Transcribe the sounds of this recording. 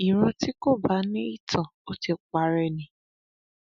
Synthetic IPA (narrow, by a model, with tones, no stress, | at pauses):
i˨ɾ̃ɔ̃˧ti˦ko˦˨ba˨˦nĩ˦i˦tʰã˨o˦ti˧k͡pa˨˦ɾɛ˧nĩ˨